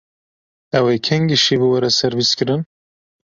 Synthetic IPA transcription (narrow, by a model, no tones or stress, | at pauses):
ɛwekʲʰɛŋɡiʃibɨwɐɾɛsɛɾviskɨɾɨn